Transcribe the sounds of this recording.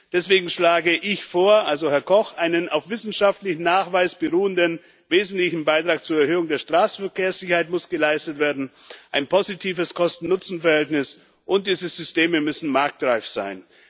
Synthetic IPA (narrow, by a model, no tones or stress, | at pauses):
d̥ɛsv̥eːɡŋ̩ʃlaːɡəʔɪçfoːɐʔalzohɛɐkʰɔxʔaɪnənʔaʊfv̥ɪsn̩ʃaftlɪçn̩naːχv̥aɪsb̥əʁuːəndən | veːzn̩tlɪçn̩baɪtʁ̥aːk̚t͡suːɐɛɐhøːʊŋdeːɐʃtʁ̥aːsfɛɐkʰeːɐsz̥ɪçɐhaɪtmʊsɡ̥əlaɪstətv̥eːɐdn̩ʔaɪnpʰozitʰiːvəskʰɔstn̩nʊt͡sn̩fɛɐhɛltnɪs | ʔʊnt̚d̥iːzəz̥ʏsteːməmʏsn̩maɐk̚d̥ʁaɪfz̥aɪn